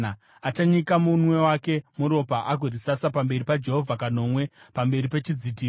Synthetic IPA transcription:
a | at͡ʃaɲikamunwe̞wake̞muɾo̞paʔaɡʱorisasapambe̞ripad͡ʒe̞ɦo̞vʱakano̞ːmwe̞pambe̞ɾipe̞t͡ʃid͡zitiː

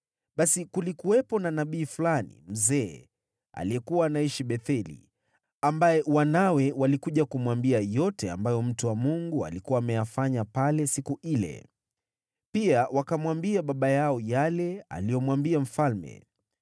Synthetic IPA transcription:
ɓasikulikuwɛpɔnanaɓiːfulanḭm̩zɛː | a̰liɛkuwaːnaiʃiɓɛθɛlḭ | ambajɛwanawɛwalikuʄakumwambiajɔtɛa̰mbajɔm̩tuwamuŋɡua̰likuwaːmɛjafaɲapalɛsikuʔilɛ̰ | piawakamwambiaɓaɓajaɔjalɛa̰lijɔmwambiam̩falmɛ̰

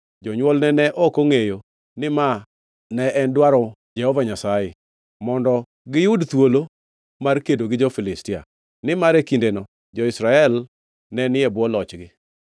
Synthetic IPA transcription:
d͡ʒɔɲwɔlnɛnɛʔɔkoŋejo | nɪma | nɛʔɛndwaɾɔ | d͡ʒɛhɔvaɲasajɛ | mɔndɔ | ɡɪjʊdt̪wolo | markedoɡɪd͡ʒɔfɪlɪstɪa̰ | nɪmaɾekindenɔ | d͡ʒɔɪsɾaɛl | nɛnɪɛbwɔlɔt͡ʃɡɪ

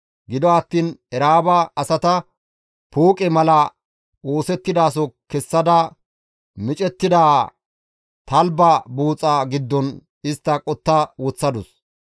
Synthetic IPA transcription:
ɡɪd̪ɔɐt̪ːiːnɛɾaːbɐɐsɐt̪ɐ | puːkʼɛmɐlɐ | oːsɛt̪ːɪd̪aːs̬ɔkɛsːɐd̪ɐ | mɪt͡ʃʼɛt̪ːɪd̪aː | t̪ɐlbɐbuːt͡sʼːaɡɪd̪ːɔn | ɪst̪ːɐkʼɔt̪ːɐwɔt͡sːɐd̪ʊs

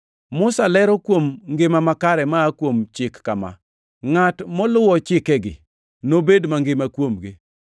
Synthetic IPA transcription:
mʊsalɛɾɔkwomŋɡɪmamakaɾɛmaːkwomt͡ʃɪkːama̰ | ŋatmɔlʊwɔt͡ʃɪkɛɡɪ̰ | nobedmaŋɡɪmakwomɡɪ

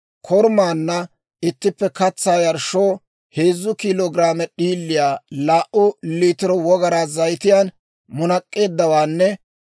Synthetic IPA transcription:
kʰɔɾmaːnːɐ | ɪt̪ːɪpːɛkɐt͡sːaːjɐɾʃoː | heːzːʊkɪloːɡɾaːmɛɗiːlːɪjaːlaːʔʊliːt̪ɪɾɔwɔɡɐɾaːzɐjt̪ɪjaːn | mʊnɐkʼːe̞ːd̪ːɐwaːnːɛ

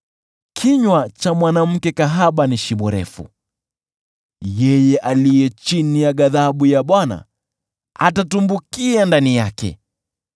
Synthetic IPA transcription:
kʰiɲwat͡ʃamwanam̩kɛkaɦaɓaniʃiɓɔɾɛ̰fṵ | jɛjɛʔalijɛt͡ʃinijaɠaðaɓujaɓwana̰ | a̰tatumbukiandanijakɛ̰

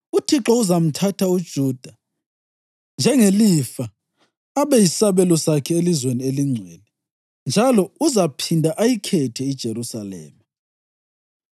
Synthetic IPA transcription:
utʰiǁɔuzam̩tʰatʰaud̥ʒ̥ʱuːd̥ʱa | nd͡ʒʱɛŋelifa | aβɛjisaβɛlɔsakʰɛelizwenieliŋ͡ǀʱɛlɛ | nd͡ʒʱalɔuzapʰindʱaʔajikʰɛtʰɛid̥ʒ̥ʱeɾusalɛ̰ːma

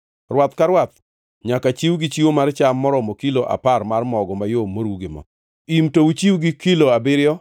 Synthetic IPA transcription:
rwat̪kaɾwat̪ | ɲakat͡ʃiwɡit͡ʃiwomart͡ʃamːɔɾɔmokiloʔa̰parmarmɔɡɔmajomːoɾwuɡɪmɔ̰ | imtout͡ʃiwɡɪkiloabɪɾjɔ

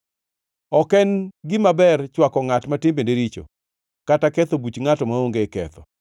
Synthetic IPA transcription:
ɔkɛnɡɪmabɛrt͡ʃwakɔŋatmatɪmbendeɾit͡ʃo̰ | katakɛt̪obut͡ʃŋatɔmaoŋɡekɛ̰t̪ɔ

